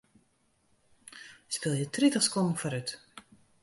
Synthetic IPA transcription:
spɪlˠjətritəχskɔndn̩fɔɾyt

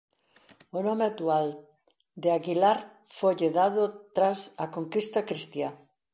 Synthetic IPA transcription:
ʊnɔmeat̪ual | d̪ɪaɣilaɾ | fojʎɪðaðʊt̪ɾasɐkoŋkist̪ɐkɾist̪ja

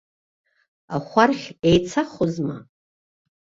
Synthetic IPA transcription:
aχʷarχʲejt͡sʰaχʷozma̰

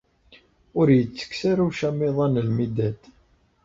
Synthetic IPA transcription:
ʊɾjət͡sːə̥ksaɾuʃæmːeðˤɑnəlmid̪æd̪

